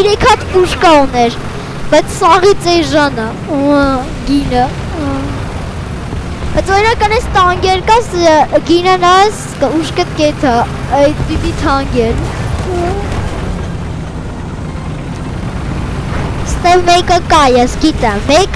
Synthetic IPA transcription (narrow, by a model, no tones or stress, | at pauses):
iɾɛkʰɑt̪puʃkɑunɛɾ | b̥ɑjt͡sʰsɑʁit͡sɛʒɑnə | ɡinə | b̥ɑjt͡sʰɔɾinɑkɑnɛst̪ʰɑŋɡɛɾkɑsɡinənɑs | kuʃkət̪kɛt̪ʰɑ | ɛt̪pit̪it̪ʰɑŋɡɛɾ | st̪ɛvmɛkəkɑjɛsɡit̪ɛmːɛk